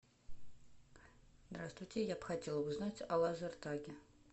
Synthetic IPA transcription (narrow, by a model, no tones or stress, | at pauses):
zd̪ɾast̪vujtʲejabxatʲelˠəbuznatʲɑlˠɑzɐrt̪aɡʲɪ